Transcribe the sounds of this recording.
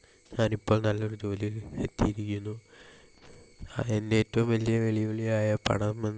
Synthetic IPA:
ɲaːnipːo̞ːɭnɐlːo̞ɾud͡ʑo̞ːliet̪ːijiɾikʲːunːu | aendeeːtːɐʋumʋɐlijɐʋeɭijoɭijaːjɐpɐ̰ɳɐmenː

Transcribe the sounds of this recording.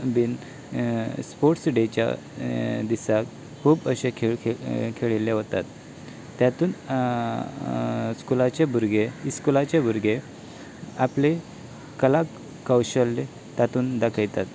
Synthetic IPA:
bin | spoɾʈsɖet͡ɕja̰ | d̪isak | kʰuːbəɕekʰekʰeɭileɦot̪at̪ː | jat̪uːn | skulat͡ɕebʱuɾɡeiskulat͡ɕabʱuɾɡe | aple | kəla | kːəwɕəlːe | t̪at̪uːnd̪akʰəjt̪at̪

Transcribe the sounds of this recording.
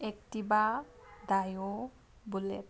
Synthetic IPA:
ektiba | dajo | bulɛ̰

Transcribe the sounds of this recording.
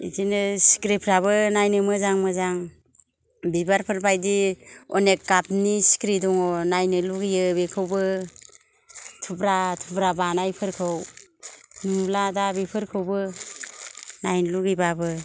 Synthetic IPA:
ḭtinɯsi̥kɾipʰɾaβɯnajnɯmɯzaŋmɯzaŋ | bibaɾpʰɯɾpʰajdiɔ̰nek̚ːapnisi̥kɾidɔŋɔnajnɯluɡijɯbekʰɯwbɯ | tʰubɾatʰubɾabanajpʰɯɾkʰɯw | nuladabipʰɯɾkʰɯwbɯ | najnluɡibabɯ

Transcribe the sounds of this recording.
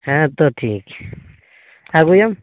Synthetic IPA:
ãt̪ot̪ʰik | aɣujam

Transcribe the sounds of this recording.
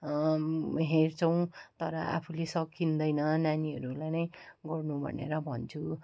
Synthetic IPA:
ɦert͡sʰʌw̃t̪ʌɾʌ̰a̰pʰulesʌkːind̪ʌjnʌnaniʌɾulajnʌjɡʌrnubʱʌ̰nḛɾʌbʱʌnt͡sʰu

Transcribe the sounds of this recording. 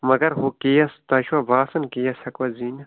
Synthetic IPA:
mɐɡɐɾɦokejɐst̪ɐʃwɐbaːsɐnkeːjɐsɐkʋɐziːnɐ

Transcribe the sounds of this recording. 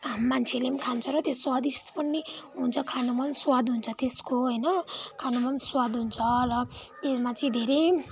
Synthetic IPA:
mant͡sʰelemkʰant͡sʰʌɾʌt̪eswad̪ist̪pʌniɦunt͡sʰʌkʰanomʌnswad̪ɦunt͡sʰʌt̪eskoɦʌjnʌkʰanomʌnswad̪ɦunt͡sʰʌrʌemat͡sʰʌ̃ĩd̪ʱeɾe

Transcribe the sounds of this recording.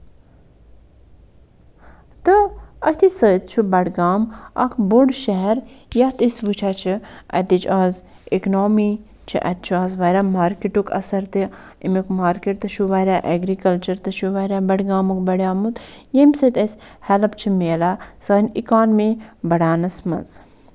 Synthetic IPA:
t̪ɨɐt̪ʰisəːt̪t͡ʃʰubɐʈɡaːmɐ̰kʰboɖʃɐɦɛɾjɐht̪isʋɨt͡ʃʰaːt͡ʃʰiɐ̰t̪it͡ʃʰaːz | iknoːmiː | t͡ʃʰḭʔɐ̰t̪̚t͡ʃʰuaːzʋɐɾʲamaːɾkiʈukʰɐ̰sɐɾt̪i | imukmaːɾkeʈt̪ɐʃuʋɐɾʲaːʔeɡɾikɐlt͡ʃɐɾt̪ɐʃuʋɐɾʲaːbɐɽɡaːmukbɐɽʲjaːmut̪jemʲsɨt̪eshɛlɐp̚t͡ʃʰimeːlasəːnḭkaːnmibɐɽaːnɐsmɐ̰z

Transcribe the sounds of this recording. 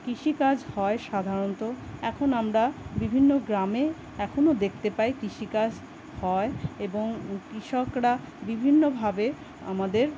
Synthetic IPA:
kɾiʃikad͡ʑhɔeʃad̪ʱaɾont̪oɛkʰonamɾabibʱinːoɡɾame | ɛkʰonod̪ek̚ʰt̪epajkɾiʃikad͡ʑ | hɔeeboŋkɾiʃokɾabibʱinːobʱabe | a̰mad̪eɾ

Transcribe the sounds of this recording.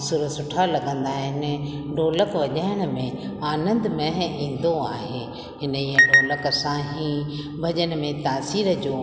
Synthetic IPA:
suɾəsʊʈʰalɐɡə̃nd̪aːɦɪn | ɖoːləkʋɐʄaɦɪɽ̃ə̆mẽ | aːnə̃nd̪mɛ̃ɦĩːn̆d̪oaːɦe | ɦɪnəiə̃ɖoːləksãɦĩ | bʱɐʄəñ̆mẽt̪aːsiːɾəd͡ʑoː

